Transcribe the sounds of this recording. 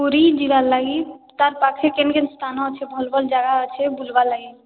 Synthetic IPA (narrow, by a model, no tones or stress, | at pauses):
uɾid͡ʒiɾalaɡit̪aɾpakʰekenkenst̪ʰanɔt͡ʃʰɛbʱɔlbəld͡ʒaɡaət͡ʃʰɛbulbalaɡi